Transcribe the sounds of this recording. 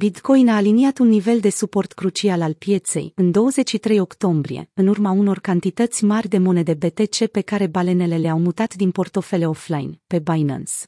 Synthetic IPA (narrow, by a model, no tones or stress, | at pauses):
bit̪ko̞jnaːliniat̪unːive̞ld̪e̞supo̞rt̪kɾut͡ʃialalpje̞t̪se̞̰jɨnd̪o̞wəze̞t͡ʃʃit̪ɾe̞jo̞kt̪o̞mbɾḭje̞̰ɨnurmauno̞rkant̪it̪ət̪sʲmarʲd̪e̞mo̞ne̞d̪e̞be̞t̪e̞t͡ʃe̞pe̞kaɾe̞bale̞ne̞le̞leawmut̪at̪d̪inpo̞rt̪o̞fe̞le̞oflajnpe̞bajna̰ns